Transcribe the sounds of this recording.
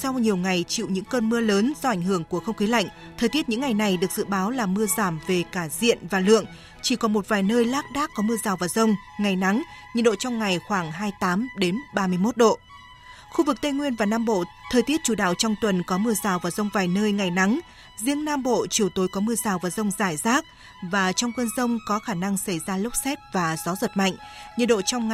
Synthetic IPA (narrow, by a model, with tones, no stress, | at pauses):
sɔ˧wɲi˨˩əwŋa˨˩jt͡ɕḭ˧˨wɲɨ̰˧˥ŋkəː˧nmɨ˧ələː˨˦nzɔ˧ʔa˧˩jŋ̟ɦɨ˧˩əŋku˧˩əxə˧wŋ͡mkxi˨˦la̰˧˨jŋ̟ | t̪ʰəː˨˩jt̪i˦˥ət̚ɲɨ̰˧˥ŋa˨˩jna˨˩jɗɨ˨˩ək̚z̥ɨ̰˧˨ɓaː˨˦wlaː˨˩mɨ˧əzaː˧˩mve˨˩kaː˧˩zḭ˧˨ənvaː˨˩lɨ̰˧˨əŋ | t͡ɕi˧˩kɔ˨˦mo˨˩t̚vaː˨˩jnəː˧jlaː˦˥k̚ɗaː˦˥kːɔ˨˦mɨ˧əzaː˨˩wvaː˨˩zə˧wŋ͡m | ŋa˨˩jna˨˦ŋɲḭ˨nɗo̰˧˨t͡ɕɔ˧wŋ͡mŋa˨˩jxwaː˧˩ŋɦaː˧jt̪aː˨˦mɗe˨˦nɓaː˧mɨ˧əjmo˦˥t̚ɗo̰˧˨ | xu˧vɨ˨˩k̚t̪ə˧jŋwi˧ənvaː˨˩naː˧mɓo̰˧˨t̪ʰəː˨˩jt̪i˦˥ət̚t͡ɕu˧˩ɗa̰ː˧˨wt͡ɕɔ˧wŋ͡mt̪wə˨˩nkɔ˨˦mɨ˧əzaː˨˩wvaː˨˩wzə˧wŋ͡mvaː˨˩jnəː˧jŋa˨˩jna˨˦ŋ | zi˧əŋnaː˧mɓo̰˧˨t͡ɕi˨˧˩əwt̪o˨˦jkɔ˨˦mɨ˧əzaː˨˩wvaː˨˩wzə˧wŋ͡mzaː˧˩jzaː˦˥k̚ | vaː˨˩t͡ɕɔ˧wŋ͡mkwə˧nzə˧wŋ͡mkɔ˨˦xaː˧˩na˧ŋsa˧˩jzaː˧lə˦˥wk͡p̚sɛ˦˥t̚vaː˨˩zɔ˨˦zə˨˩t̚ma̰˧˨jŋ̟ɲɨ̰˨n̚ɗo̰˧˨t͡ɕɔ˧wŋ͡mŋ